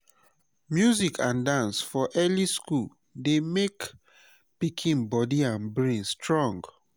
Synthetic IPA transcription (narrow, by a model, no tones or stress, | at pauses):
mjuzikʰãndãnsfɔʔɛliskul | demek | pikʰĩnbɔdiãnbɹĩnstɹɔ̃ŋɡ